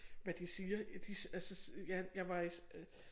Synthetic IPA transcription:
ʋæd̥isiːɐd̥isælsəsjæjɑ̈ɪʋɑ̈is

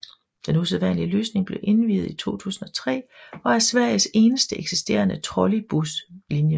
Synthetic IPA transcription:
d̥enuseðˠʋæn̰liəløːsne̝ŋb̥le̝ʔe̝nʋḭːð̞̩ˠit͡sʰo̝̰ːt͡sʰṵːsn̩ɒ̽t͡sʰʁɛ̰ːɒ̽æɐsʋæɐ̰jəse̝ːnəsd̥əʔeɡ̥sisd̥e̝̰ːɐnət͡sʰʁɒlib̥uslinjə

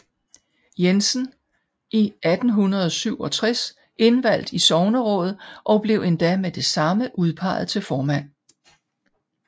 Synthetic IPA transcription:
jensn̩ | ʔiʔæd̥n̩ɦunɐð̞ˠɒsyʊ̰ɒ̽t͡sʰʁɛs | ʔe̝nʋæl̰d̥isɒʊnəʁɔ̽ð̩ˠʔɒ̽b̥le̝ʊe̝nd̥æmed̥e̝sɑ̈məʔuð̞ˠpʰɑ̈ɪð̞̩ˠt͡sʰe̝lfɒːmæn̰

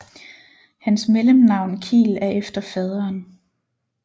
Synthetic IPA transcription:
hænsmeləmnɑ̈ʊ̰nkʰḭːlæɐʔefd̥ɐfɛð̞ˠɐːn

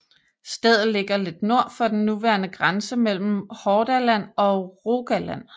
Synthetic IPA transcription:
sd̥eð̰ˠð̩ˠle̝ɡ̥ɐle̝d̥no̝ɐ̰fɒ̽d̥en̩ːuʋæɐnəɡ̥ʁansəmel̰m̩hɒːd̥ælæn̰ɒ̽ʁoɡ̥ælæn̰

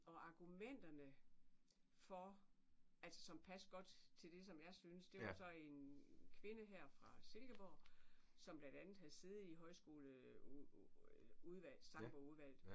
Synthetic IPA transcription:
ɒ̽ʔɑ̈ɡ̥umen̰d̥ɐnə | fɒ̽ | ælsə̥sɒ̽mpʰæsɡ̥ɒ̽d̥t͡sʰe̝ld̥e̝sɒ̽mjɑ̈ɪsynəsd̥e̝ʋɑ̈sɒ̽e̝nkʰʋe̝nəɦæɐ̰fʁɑ̈se̝lɡ̥əb̥ɒ̰sɒ̽mb̥lænd̥ænð̩ˠhæðˠse̝ð̞̩ˠiɦɒ̽ɪsɡ̥o̝ːlə | uðˠʋæl̰sɑ̈ŋb̥ɒuðˠʋæl̰̩ˠ

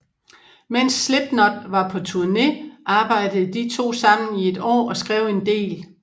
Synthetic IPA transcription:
men̰sːleb̥nɒd̥ʋɑ̈pʰɒ̽t͡sʰuɐne̝ʔɑ̈ːb̥ɑ̈ɪ̰d̥əð̩ˠd̥it͡sʰo̝̰ːsɑ̈m̰n̩ie̝d̥ɒ̰ːɒ̽sɡ̥ʁɛʊ̰e̝nd̥e̝̰ːl

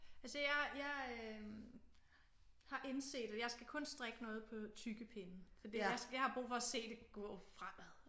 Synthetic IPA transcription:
ælsəjɑ̈ɪjɑ̈ɪ | hɑ̈ʔe̝nse̝̰ːd̥æjɑ̈ɪsɡ̥ækʰɔ̽nsd̥ʁaɡ̥ənɔ̽ːð̩ˠpʰɒ̽t͡sʰyɡ̥əpʰe̝nn̩fɒd̥ijasjɑhɑ̈b̥ʁṵːfɒ̽se̝̰ːd̥e̝ɡ̥ɔ̰ːfʁam̰æðˠ

